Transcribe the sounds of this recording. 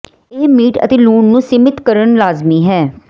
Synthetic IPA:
eɦmiːʈə̰t̪eːluːɳnũːsɪmɪt̪kəɾəɳlaːzmiːɦɛː

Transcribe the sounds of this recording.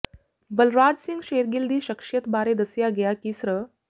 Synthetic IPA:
bəlɾad͡ʑsiŋɡɕeɾɡild̪iːɕəkʂjət̪baɾed̪əsjaɡjakisɾə

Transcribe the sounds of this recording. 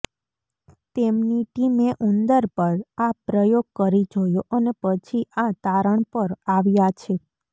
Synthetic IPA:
t̪emniʈimeʔund̪əɾpəɾapɾəjoɡ̚kəɾid͡ʒojoʔənepət͡ʃʰiʔat̪aɾəɳpəɾaʋjat͡ʃʰe

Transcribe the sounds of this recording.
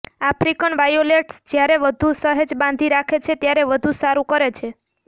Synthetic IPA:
afɾikənʋajoleʈsd͡ʒjaɾeʋəd̪ʱusəɦed͡ʒbãnd̪ʱiɾakʰet͡ʃʰet̪jaɾeʋəd̪ʱũsaɾũkəɾet͡ʃʰe

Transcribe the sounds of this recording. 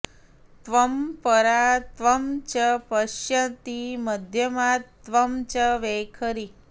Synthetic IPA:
t̪ʋəmpəɾat̪ʋəmt͡ʃəpəʃjət̪iməd̪ʱjəmat̪ːʋəmt͡ʃəʋekʰəɾi

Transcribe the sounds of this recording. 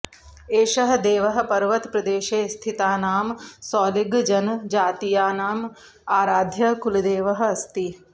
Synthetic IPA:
eːʃɐɦɐ̆d̪eːʋɐɦɐ̆pɐɾʋɐt̪pɾɐd̪eːʃeːst̪ʰit̪aːnaːmsaːliɡd͡ʒɐnd͡ʒaːt̪ijaːnaːm | aːɾaːd̪ʱjɐkulud̪eːʋɐɦɐ̆ɐst̪i

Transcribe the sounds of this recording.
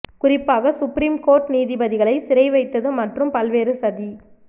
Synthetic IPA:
kʊrɪpːaːɣɐsʊpɾiːmkoːɾʈniːðɪbɐðɪɣɐɭɐɪsɪɾɐɪʋɐɪt̪ːɐðɯmɐʈrɯmpɐlʋeːɾɯsɐði

